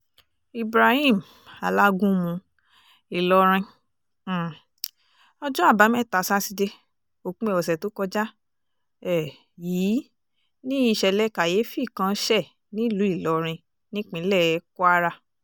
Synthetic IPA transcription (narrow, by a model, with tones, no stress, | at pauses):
i˨bɾa˧hĩ˦˨m | a˨la˦ɡũ˦mũ˧ | i˨lɔ˧ɾ̃ĩ˧˨ | ɔ˧d͡ʒɔ̃˦a˦˨ba˨˦mɛ̃˦˨ta˨sa˦si˧de˧ | o˨kũ˦ɛ˧˨wɔ˨s̬ɛ˨to˨˦kɔ˧d͡ʒa˦ | ɛ˦˨ | jiː˨˦ | nĩ˦i˧ʃɛ˧˨lɛ˦ka˨je˨˦fi˦˨kã˧˦ʃɛ˦˨ | nĩ˦˨lu˨˦i˦˨lɔ˨˦ɾ̃ĩ˧ | nĩ˦k͡pĩ˧˦lɛ˦˨˦kɔ˦a˦ɾa˧